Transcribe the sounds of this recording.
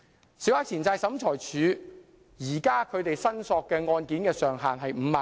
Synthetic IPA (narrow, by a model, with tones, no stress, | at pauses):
siː˨˥wha˥t͡sʰiː˨˩nt͡saː˧jsɐ˨˧˥mt͡ʃʰɔː˨˩jt͡ʃʰyː˨˧ | jiː˨˩kaː˥kʰɵ˨˧ɥt̪e˨jsɐ˥nsɔː˧kːɛː˧ŋɔː˧nkiː˨˥nkɛː˧sœː˨˩ŋɦaː˨ŋɦɐ˨jm̩ː˨˧maː˨